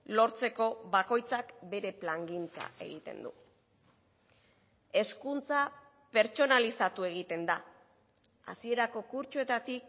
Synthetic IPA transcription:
lo̞ɾt͡se̞ko̞βako̞jt͡sakbe̞ɾe̞plaŋɡint͡sa̰e̞̰ɣit̪e̞̰nd̪ṵ | e̞skunt͡sa | pe̞ɾt͡ʃo̞nalisat̪ue̞ɣ̞it̪e̞nd̪a | a̰sie̞ɾako̞kuɾt͡ʃue̞t̪at̪ik

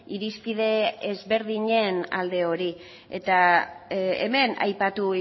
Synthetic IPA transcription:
iɾiskiðe̞ezβe̞ɾðiɲe̞na̰ld̪e̞o̞ɾi | e̞̰t̪a | ḛme̞na̰jpat̪u

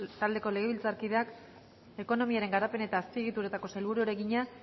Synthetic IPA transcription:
t̪ald̪e̞ko̞le̞ɣ̞e̞βilt͡saɾkið̞eak | e̞ko̞no̞miaɾe̞ŋɡaɾape̞nae̞t̪aːspie̞ɣ̞it̪uɾet̪ako̞selβuɾuoɾe̞ɣiɲa

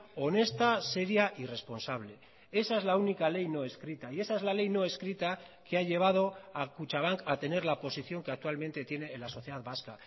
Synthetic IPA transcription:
o̞ne̞st̪ase̞ɾjaʔire̞spo̞nsaβ̞le̞ | e̞sae̞zlaunikale̞jno̞e̞skɾit̪aie̞saezlale̞jno̞e̞skɾit̪a | keaʎe̞β̞að̞o̞akut͡ʃaβ̞aŋkat̪e̞ne̞ɾlapo̞siθjo̞ŋkeak̚t̪ualmẽ̞nt̪e̞t̪je̞ne̞ːlaso̞θje̞ðaðβaska

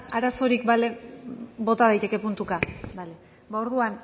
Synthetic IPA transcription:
aɾaso̞ɾikbale | bo̞t̪að̞ajt̪e̞ke̞punt̪ukabale | bao̞ɾðuan

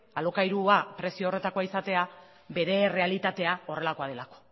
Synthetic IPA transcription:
alo̞kajɾuapɾe̞siore̞t̪ako̞aisat̪e̞a | be̞ðe̞re̞alit̪at̪e̞ao̞re̞lako̞að̞e̞lako̥

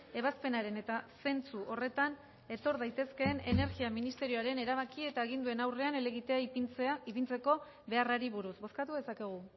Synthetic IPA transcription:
e̞β̞aspe̞naɾe̞ne̞t̪ase̞nt͡suʔo̞re̞t̪an | e̞t̪o̞ɾðajt̪e̞ske̞ːne̞ne̞ɾɣiaminist̪e̞ɾioaɾe̞ne̞ɾaβ̞akie̞t̪aːɣind̪ue̞nawre̞ane̞leɣit̪e̞ait͡sipint͡se̞ko̞ | βe̞araɾiβuɾusbo̞skat̪uðe̞sake̞ɣ̞u

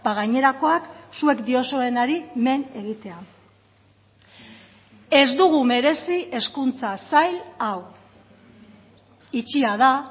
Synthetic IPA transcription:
baɣ̞ajɲe̞ɾako̞aksue̞kd̪io̞so̞e̞naɾime̞ne̞ɣit̪e̞a | e̞zd̪uɣ̞ume̞ɾe̞siʔe̞skunt͡sasajlaw | it͡ʃiaða

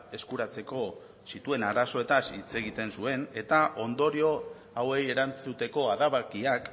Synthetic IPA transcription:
e̞skuɾat͡se̞ko̞ | sit̪ue̞naɾaso̞e̞t̪asit͡se̞ɣ̞it̪e̞nsue̞ne̞t̪aʔo̞nd̪o̞ɾio̞ | awe̞je̞ɾant͡sut̪e̞ko̞aðaβakiak

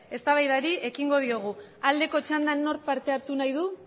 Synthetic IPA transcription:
e̞st̪aβajðaɾie̞kiŋɡo̞ð̞io̞ɣ̞uald̪e̞ko̞t͡ʃand̪anːo̞ɾ̚paɾt̪e̞aɾt̪unajðu

